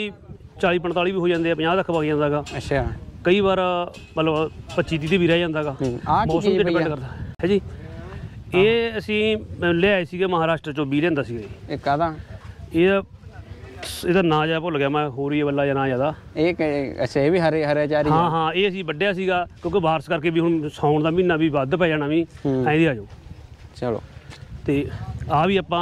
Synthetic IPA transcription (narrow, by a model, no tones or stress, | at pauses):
it͡ʃaːɭiːpəɳt̪aːliːbiːɦoːd͡ʒãːnd̪eːɛːpəɲaːt̪əkʰpaːɡd͡ʒãːnd̪aːɡaːətʃʰaːkəiːbaːɾmət̪ləbpətt͡ʃiːt̪̬iːt̪eːbʱiːɾaːd͡ʒãːnd̪aːɡaːamɔːsəmd̪eːpɛ̃ɖkəɾd̪aːɦɛ̃ːd͡ʒiː | eːəsĩːleːaːeːsiːɡeːməɦaːɾaːʃʈɾət͡ʃoːbiːlẽːnd̪aːsiːɡekːad̪aeː | ed̪aːnãːd͡ʒaːd̪apʊlɡjaːmɛ̃ːɦoːɾiːeːbəlːaːjaːnãːd͡ʒaːd̪aː | eəseʋiːɦəɾeɦəɾjaːt͡ʃaːɾiɦãːɦãːeːəsĩːbəɖjaːs̬iːɡaːkjõːkɪbaːɾskəɾkeːbiːɦʊɳsãːʊɳd̪aːmiːnːaːbiːʋaːd̪pɛːaːnaːʋĩːãːĩd̪eːaːd͡ʒoːt͡ʃəlo̰ːt̪eːaːʋiːaːpːãː